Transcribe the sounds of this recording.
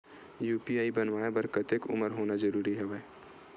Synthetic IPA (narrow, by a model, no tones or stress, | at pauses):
juːpiaːibənʋaːebəɾkət̪ekʊ̰məɾɦoːnad͡ʒəɾuːɾiɦɛʋɛː